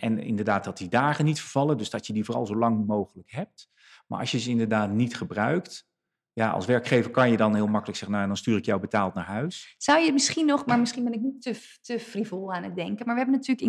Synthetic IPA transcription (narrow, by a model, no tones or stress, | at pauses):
ʔɛ̰nɪ̰ndəɹdaːt̚dɑt̚didaːχənitfəɹv̥ɑlˠədɵzdɑtjədivoːrɑ̰lˠzowlɑŋmowχələkɦɛp̚t | ma̰ːɹɑ̰sjəzəɪndəɹdaːtnitχəbrœɥkt | jaʔɑ̰lˠsʋɛɹkχejvəɹkɑnjədɑnɦɪːlˠmɑkələksɛχənːaɛndɑnstyːɾɪkjawbətaːlˠtna̰ːɹɦœɥsz̥ɑwjəmɪsχinːɔχmaːɹmɪsχinbɛnɪk̚nitə | təfrivolˠaːnət̚dɛŋkənmaːɹʋəɦɛbənatyːɹləkɪ